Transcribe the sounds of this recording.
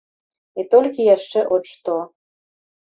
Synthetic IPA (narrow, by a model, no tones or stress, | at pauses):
it̪olʲkʲijæʃːeʔot͡ɕt̪o